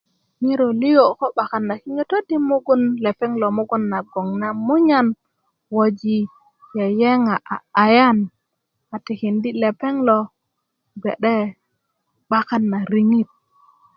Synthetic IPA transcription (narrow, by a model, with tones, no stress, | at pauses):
mi˦ɾo˨li˦jo˨ko˦ɓa˨ka˨nːa˨ki˦ŋe˦to˦di˦mu˦ɡu˦nle˨pe˦ŋlo˨mu˦ɡu˦nːa˨ɡo˨ŋna˦mu˦ɲa˦n | wo˨d͡ʒi˨ | je˨je˦ŋa˨ʔa̰˨a˨ja˦n | a˨ti˨ki˨ndi˦le˨pe˦ŋlo˨ | ɡḛ˨ɗe˦ | ɓa˦ka˦nːa˨ɾi˦ŋi˦t̚